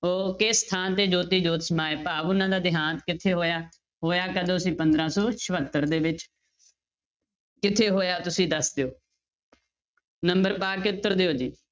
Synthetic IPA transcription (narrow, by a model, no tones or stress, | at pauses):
oːkeːst̪ʰaːnt̪eːd͡ʒoːt̪iːd͡ʒoːt̪səmaːeːpaːbʊnãːd̪aːd̪ɪɦaːnt̪kɪt̪ʰeːɦoːjaː | ɦoːjaːkəd̪oːsĩːpənd̪ɾãːsɔːʃʰəʋət̪ːəɾd̪eːʋɪt͡ʃ | kɪt̪ʰeːɦoːjaːt̪ʊsĩːd̪əsd̪eoː | nəmbəɾpaːkiʊt̪ːəɾd̪eːoːd͡ʒiː